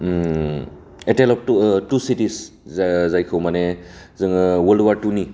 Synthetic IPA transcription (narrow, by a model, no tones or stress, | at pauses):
etelɔp̚tusitis | zajkʰɯwmanezɯŋwɐluwaɾtuni